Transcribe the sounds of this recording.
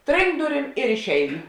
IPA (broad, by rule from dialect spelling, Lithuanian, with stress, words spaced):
ˈtʲrʲɪŋkt ˈdʊˌrʲiːm ɪr ɪʃʲˈɛɪnʊ